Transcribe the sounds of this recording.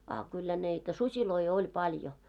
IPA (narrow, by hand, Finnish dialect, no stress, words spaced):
ɑ kylːæ niːtæ susiloi olʲ pɑljo